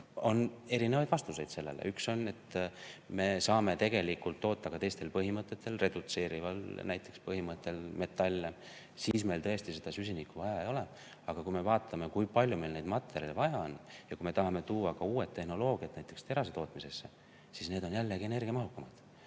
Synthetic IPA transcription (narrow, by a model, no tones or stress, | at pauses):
o̞ne̞ɾinevɑjd̪̥vɑst̪use̞jd̪̥se̞lːe̞̰lḛʔykso̞ne̞t̪ːme̞sɑːme̞t̪e̞ɡ̥e̞likːult̪ːo̞ːt̪ːɑkɑt̪e̞jst̪e̞lpɤɦimɤt̪ːˑe̞t̪ːˑelre̞d̪̥ut̪se̞ːɾivɑlnæjt̪ːˑe̞kspɤɦimɤt̪ːˑe̞lme̞t̪ːˑɑlʲːe | siːsme̞jlt̪ɤest̪ise̞d̪̥ɑsys̬ʲinikːuvɑjɑejo̞le | ɑɡ̥ɑkujme̞vɑːt̪ʰˑːɑme̞kujpɑlʲjume̞jlnejd̪mɑt̪ːˑe̞ɾʲjɑlvɑjɑonjɑkujme̞t̪ɑɦɑme̞t̪uːɑkɑuːe̞t̪ːe̞hno̞lo̞ːɡ̥iɑt̪næjt̪ːˑe̞kst̪e̞ɾɑs̬et̪o̞ːt̪mise̞sːe | sisne̞ːd̪o̞njælːe̞ɡiene̞rɡʲiɑmɑɦukːˑɑmɑd̪̥